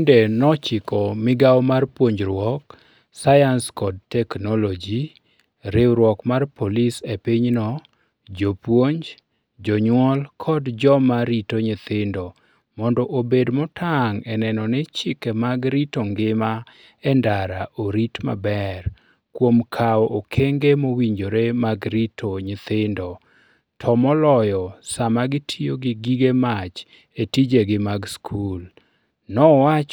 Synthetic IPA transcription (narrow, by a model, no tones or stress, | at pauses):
ndɛnɔt͡ʃɪkɔmɪɡawmarpwoɲd͡ʒɾwɔk | sajanskɔd̚tɛknɔlɔd͡ʒi | ɾewɾwɔkmarpʰolisepiɲnɔ | d͡ʒopwoɲd͡ʒ | d͡ʒɔɲwɔlkʰɔdd͡ʒɔmaɾitoɲɪt̪ɪndɔ | mɔndɔʔobedmɔtʰaŋɛnɛnɔnɪt͡ʃɪkemaɡɾitoŋɡɪma | ɛndaɾaʔoɾitma̰bɛr | kwomkʰaɔʔokʰeŋɡemowiɲd͡ʒoɾemaɡɾitʰoɲɪt̪ɪndo | tʰɔmɔlɔjɔsamaɡɪtʰijoɡɪɡiɡemat͡ʃ | etid͡ʒeɡɪmaɡskʰul | nɔwat͡ʃ